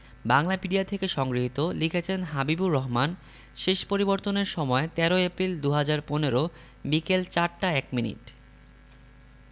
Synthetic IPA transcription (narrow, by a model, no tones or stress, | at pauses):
baŋlapiɖiat̪ʰekeʃɔŋɡɾiɦit̪olikʰet͡ɕʰenɦabibuɾːɔɦman | ʃeʃpoɾiboɾt̪oneɾʃɔmɔet̪ɛɾoepɾild̪uɦad͡ʑaɾponeɾo | bikelt͡ɕaɾʈaɛkminḭʈ